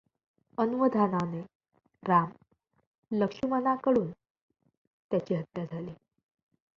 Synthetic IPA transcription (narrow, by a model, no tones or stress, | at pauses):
ənuʋəd̪ʱanane | ɾam | ləkʂumənakəɽuːn | t̪jat͡ɕiːɦət̪jad͡zʱaliː